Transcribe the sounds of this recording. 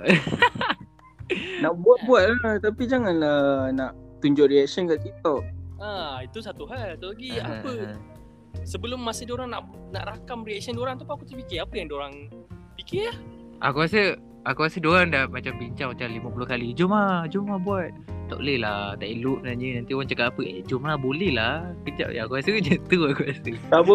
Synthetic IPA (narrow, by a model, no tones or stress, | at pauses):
naʔbuat̪̚buat̪̚lat̪apid͡ʒaŋanənaʔt̪uɲd͡ʒʊʔ̚ɾiɛk̚siənkaʔkit̪aait̪usat̪uɦalat̪alaɡiapə | səbəlʊmːasədoɾaŋnaʔna̰ʔɾakamɾiɛk̚siəndoɾaŋt̪apakut̪əpikɪapəjaŋdoɾaŋpikɪah | ʔa̰kukasə | akukasədoɾaŋdamat͡ʃambiɲt͡ʃaŋmat͡ʃaŋlimapulʊhkalid͡ʒomad͡ʒumabuat̪̚t̪ɔ̰ʔlɛhlat̪aʔiluʔ̚ənaɲənant̪ioɣaŋt͡ʃakatapəʔed͡ʒumabolɛhlahkəd͡ʒa̰ʔ̚aakukasəd͡ʒət̪uakukasət̪abə